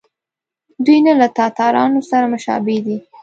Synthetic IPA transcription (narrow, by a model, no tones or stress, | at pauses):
d̪ujnalat̪ɑt̪ɑɾɑnosaɾamʊʃɑ̰bed̪i